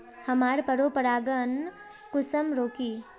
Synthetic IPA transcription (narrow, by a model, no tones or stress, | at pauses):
həmaːɾpəɾopəɾaːɡən | kʊsəmɾoːki